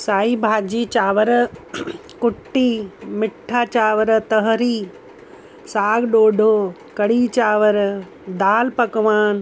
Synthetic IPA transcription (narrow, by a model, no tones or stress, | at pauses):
saːibʱaːd͡ʒiːt͡ʃaːʋəɾə | kʊʈːiːmɪʈʰːaːt͡ʃaːʋəɾət̪ɐɦəɾiː | saːɡɗoːɖʱoː | kɐɽiːt͡ʃaːʋəɾ | d̪aːlpɐkʋaːn